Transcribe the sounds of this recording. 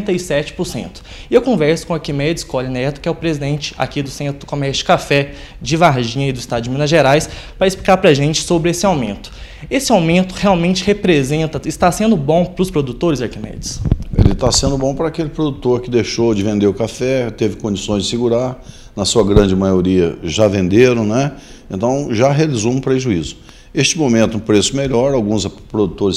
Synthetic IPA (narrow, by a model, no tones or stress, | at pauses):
t̪ɐisɛt͡ʃɪ̥pʊɾsḛ̃nt̪ʊ̥ɪewkõvɛɾsʊ̥kõaɾkimɛd͡ʒɪskɔlɐnɛt̪ʊ̥kɪɛʊpɾezid̪ẽnt͡ʃɪ̥a̰kid̪ʊsẽnt̪ɾʊʊkomɛɾʃt͡ʃʊ̥kafɛ | d͡ʒɪvaɾʒĩɲɐɪd̪ʊist̪ad͡ʒʊminɐʒeɾajs | pɾɐɪsplikaɾpɾɐʒẽnt͡ʃɪ̥sobɾɪesɪawmḛ̃nt̪ʊ̥ | esɪawmẽnt̪ʊheawmẽnt͡ʃɪhepɾezẽnt̪ɐɪst̪asẽnd̪ʊbõw̃pɾʊspɾod̪ut̪oɾɪzaɾkimɛ̰d͡ʒɪsḛlɪt̪asẽnd̪ʊbõpɾɐːkelɪpɾod̪ut̪oɾkɪd̪ejʃowd͡ʒɪvẽnd̪eɾʊkafɛt̪evɪkõnd͡ʒisõj̃zd͡ʒɪsɪɡuɾaɾ | nɐsuɐɡɾɐ̃nd͡ʒɪmajoɾiɐ̰ʒavẽnd̪eɾɐ̃w̃nɛ | ẽnt̪ɐ̃w̃ʒaɦealizõũpɾeʒuizʊ | est͡ʃɪmomẽnt̪ʊũpɾesʊmeʎɔɾawɡũzpɾod̪ut̪oɾɪs